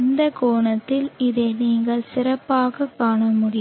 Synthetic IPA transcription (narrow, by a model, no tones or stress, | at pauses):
nd̪ɐkoːɳɐt̪ːɪlɪðeːniːŋɡɐɭsɪɾɐpːaːɣɐkːaːɳɐmʊɽɪ